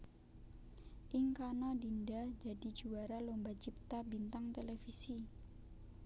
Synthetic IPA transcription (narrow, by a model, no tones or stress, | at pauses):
ʔɪŋkanɔdindad͡ʒadid͡ʒuaɾalombat͡ʃip̚t̪abint̪aŋt̪elefisi